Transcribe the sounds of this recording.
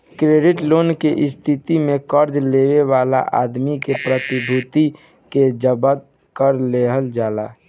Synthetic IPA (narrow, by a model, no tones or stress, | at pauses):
kɾeɖɪʈloːnkeʔɪst̪ʰit̪imẽkəɾd͡ʒleweʋaːla̰ʔa̰d̪mikepɾət̪ibʱut̪i | ked͡ʒəbəd̪̚ | kəɾleɦəld͡ʒaːlaː